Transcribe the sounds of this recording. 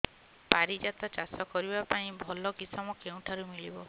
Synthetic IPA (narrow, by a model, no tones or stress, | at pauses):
paɾid͡ʒat̪ɔt͡ʃasɔkɔɾibapaĩbʱɔlɔkisɔmɔkeũʈʰaɾumilibɔ